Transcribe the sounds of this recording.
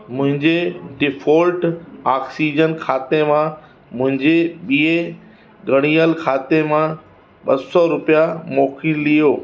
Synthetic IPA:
mʊ̃ɦɪ̃ɲd͡ʑeɖɪfʰoːlʈaːksiːd͡ʑənkʰaːt̪emã | mʊ̃ɦɪ̃ɲd͡ʑeɓiːe | ɡəɽ̃ijəlkʰaːt̪emã | ɓɐsɔɾʊpijamoːkʰĩlijoː

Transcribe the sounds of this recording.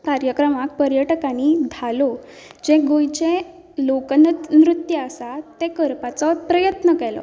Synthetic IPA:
kaɾjəkɾəmakpəɾjəʈəkañiːd̪ʱalo | d͡ʑeɡojt͡ɕẽ | lokənt̪nɾut̪jəəsat̪ːekəɾpat͡sɔpɾəjət̪nəkɛlɔ̰

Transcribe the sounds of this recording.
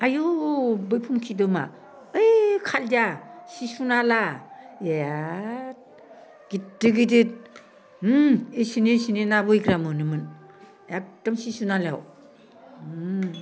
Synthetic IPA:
ajobɯjpʰumkʰidɯma̰ | ɯjkʰaldasisunala | at̚ | ɡ̥idɯɡidit̚ | esinesinenabɯjɡɾamɯnɯmɯn | ak̚d̥amsisunala̰w

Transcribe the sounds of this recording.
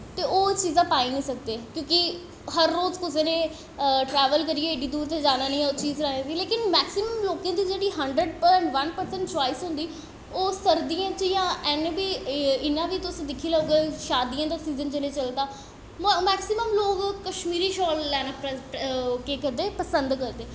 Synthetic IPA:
t̪eːoːt͡ʃiːzãːpaːiːnĩːsək̚d̪eːkjõːkɪ | ɦəɾːoːzkʊseːnẽː | ʈɾɛːʋəlkəɾieːeɖiːd̪uːɾt̪eːd͡ʒaːnaːnĩːt͡ʃiːzɾəẽːd̪iːleːkɪnmɛːksɪməmloːkãːd̪iːd͡ʒeːɽiːɦəɳɖɾəɖɛːɳɖʋənpəɾsə̃ɳʈt͡ʃaːɪsɦʊ̃nd̪iː | oːsəɾd̪iãːt͡ʃjãːɛnbiːɪnːãːbiːt̪ʊsd̪ɪkʰiːləɡeʃaːd̪ijãːd̪asiːzənt͡ʃəleːt͡ʃəlt̪aː | mɛːksɪməmloːɡkəʃmiːɾiːʃɔːlːɛːnãːp | kekəd̪eːpəsənd̪kəɾd̪eː

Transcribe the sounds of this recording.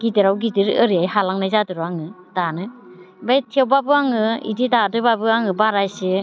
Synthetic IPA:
ɡidiɾawɡidiɾɯɾiajhalaŋnajzadɯɾuaŋɯ | danɯ | bajtʰiewbabɯaŋɯḭdidadɯbabɯaŋɯbaɾajsɯ

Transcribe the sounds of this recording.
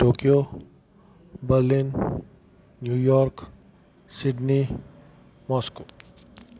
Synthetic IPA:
ʈoːkijo | bəɾlɪnː | juːjɔːɾk | sɪɖni | mɔːskoː

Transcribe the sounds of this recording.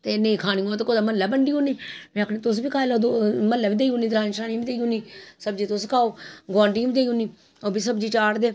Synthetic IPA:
t̪eːnẽĩkʰaːñiːõːt̪ekoːd̪aːmənlːaːbəɳɖiːoːniːmɛ̃ːəkʰneːt̪ʊs̬biːkʰaːeːloːd̪oməlːaːʋiːd̪eːiuːniːd̪ɾaːnʃaːnĩːbiːd̪eiɦuːniːsəb̚d͡ʒiːt̪ʊskʰaːoːɡãːɳɖiːbiːd̪eːiɦuːniː | oːbiːsəbd͡ʒiːt͡ʃaːɾd̪eː

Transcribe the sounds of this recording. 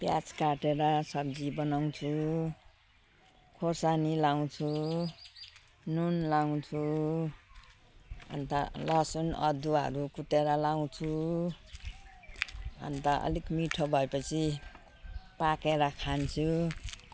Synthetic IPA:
pjat͡skaʈeɾʌsʌb̚d͡zibʌnaw̃t͡sʰu | kʰosanilaw̃t͡sʰu | nunlaw̃t͡sʰu | ʌ̰nt̪alʌsunʌ̰d̪uɦʌɾukut̪eɾʌlaw̃t͡sʰu | ʌ̰nt̪aʔʌ̰likmiʈʰobʱʌepʌt͡sʰi | pakeɾʌkʰant͡sʰu

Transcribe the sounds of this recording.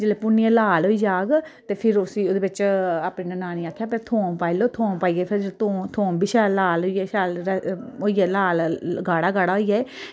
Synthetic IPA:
d͡ʒeːleːpʊnːiɛ̃laːloːiːd͡ʒaːɡt̪eːpʰɪɾʊsiːoːd̪eːbɪt͡ʃaːpnĩːnənaːniːaːkʰjaːpɛt̪ʰoːmpaːiloːt̪ʰoːmpaːiːeːpʰɪɾd͡ʒet̪oːt̪ʰoːmbiːʃɛːlaːlɦoːiːɛːʃaːloːiːɛːlaːlɡaːɽaːɡaːɽaːɦoːiːaːeː

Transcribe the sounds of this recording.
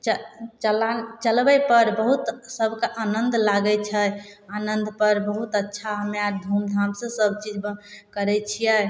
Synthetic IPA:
t͡ʃət͡ʃəlat͡ʃəlbɛpəɾbəɦut̪səbʱkaʔanənd̪laɡɛt͡ʃʰəanənd̪pəɾbəɦut̪ətːʃʰaɦəmeaɾd̪ʱumd̪ʱamsə̃səbʱt͡ʃid͡ʒbkəɾɛt͡ʃʰijɛ

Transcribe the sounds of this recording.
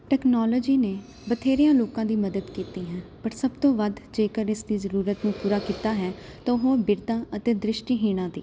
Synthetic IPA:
ʈɛːknɔːlɔːd͡ʒiːneː | bət̪ʰeːɾɪjãːloːkãːd̪iːməd̪əd̪kiːt̪iːɦɛ̃ːpəɾsəbt̪õːʋəd̪d͡ʒeːkəɾɪsd̪iːzəɾuːɾət̪nũːpuːɾaːkiːt̪aːɦɛːt̪ãːɦoːbɪɾt̪ãːət̪eːd̪ɾɪʃʈiːɦiːɽ̃ãːd̪ḭː

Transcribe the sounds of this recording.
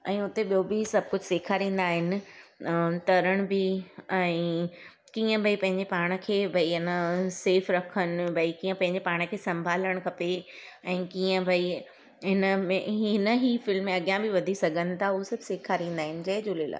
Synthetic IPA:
ɛ̃ːʊt̪eɓijobɪsɐb̚ʱkʊd͡ʑʱseːkʰaɾĩːn̆d̪aːɦɪnɪ̆ | t̪ɐɾəɽ̃bɪɛ̃ː | kiːə̃bʱɐipɐ̃ɦɪ̃ɲd͡ʑepaːɽ̃ə̆kʰeːbʱɐiɪnəseːfɾɐkʰənɪbʱɐikiːə̃pɐ̃ɦɪ̃ɲd͡ʑepaːɽ̃ə̆kʰeːsɐ̃mbʱaːləɽ̃kʰɐpe | ɛ̃ːkiːə̃bʱɐi | ɦɪnəmẽɦɪnəɦifɪlmːẽɐɡjãbɪʋɐd̪ʱisɐɡʱənɪ̆t̪ʰaɦʊosɐbʱseːkʰaɾĩːnd̪aːɦɪnɪ̆d͡ʑɐɦɪd͡ʑoːlela̰ː

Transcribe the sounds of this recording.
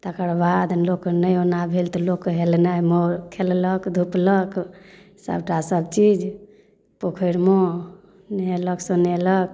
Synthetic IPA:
t̪əkəɾbad̪loknəjonabʱelt̪ɔlokɦelnamɔɾkʰelləkd̪ʱuplək | sə̰bʈasəbt͡ʃid͡ʒ | pokʰəɾmo | neləɡsə̃nelək̚

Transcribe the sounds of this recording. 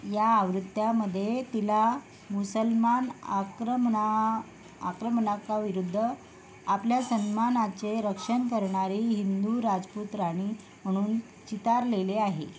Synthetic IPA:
jaːʋɾut̪ːjaməd̪ʱːjet̪ila | musəlmanakɾə | a̰kɾəmɳakaʋiɾud̪ʱːə | apljasənmanat͡seɾəkʂəɳkəɾɳaɾiːɦind̪uɾad͡zput̪ɾaɽ̃i | m̤əɽ̃uːn | t͡ɕit̪aɾleleaɦe

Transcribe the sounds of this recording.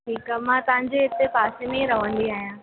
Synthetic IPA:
ʈʰiːkamãːt̪ɐʋ̤ãɲd͡ʑeɦɪt̪epaːsemẽɾɐʋə̃nd̪iaːɦijãː

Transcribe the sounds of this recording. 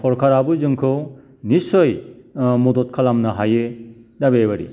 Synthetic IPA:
pʰɔɾkʰaɾabuzɯŋkʰɯw | nisojmɔdot̚kʰalamnɐɦajedabebaɾḭ

